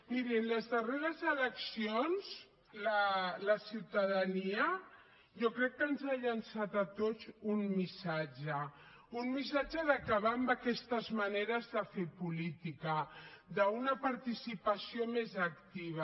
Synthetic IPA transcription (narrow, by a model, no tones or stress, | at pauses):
miɾinləzðəreɾəzələksionz | lələsiwt̪aðaniə | ʒɔkɾɛkːənzaʎansat̪at̪ot͡sunmisad͡ʒə | unmisad͡ʒəðakaβambakɛst̪əzmaneɾəzðəfepulit̪ikəd̪əunəpaɾt̪isipəsiomezək̚t̪iβ̞a